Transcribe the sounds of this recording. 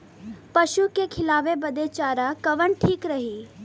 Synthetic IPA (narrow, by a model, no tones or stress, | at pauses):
pɐʃukekʰɪlaːʋebɐd̪et͡ʃaːɾakɐʋəɳʈʰiːkɾɐɦiː